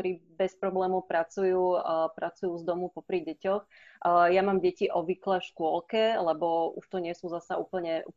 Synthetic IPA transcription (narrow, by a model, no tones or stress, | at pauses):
ɔɾiːbɛspɾɔblɛːmɔʊpɾat͡sujuːpɾat͡sujuːzd̪ɔmupɔpɾiɟɛcɔx | jamaːmɟɛciʔɔʋiklɛfʃkʊɔlkɛlɛbɔuʃt̪ɔɲɪɛsuːzasauːpl̩ɲɛʔṵ